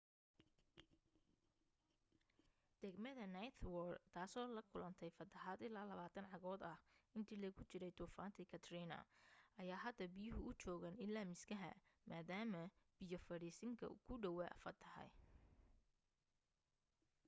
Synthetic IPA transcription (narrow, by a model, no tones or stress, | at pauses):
d̪̥ɛɡmɐðɐnɐjt̪ʰwɔrt̪ʰaːsɔːlɐkʰʊlɐnt̪ʰɛjfɐt̪ʰːɐɦaːd̪ɪlːaːlɐβaːt̪ʰɐnʕɑɣɔːd̪ɐhɪnt̪ʰiːlɐɣʊt͡ʃɪɾɛjt̪ʰuːfaːnt̪ʰɛkʰɐt̪ʰriːnɐ̰ʔɐjaːɦɐd̪ːɐbɪjʊɦʊʔʊt͡ʃɔːɣɐnɪlːaːmɪskʰɐɦɐ̰maːd̪aːmɐb̥ɪjɔfɐɾiːsɪŋkʰɐ̰kʰʊɖɐwa̰fɐt̪ʰːɐhɐ̰j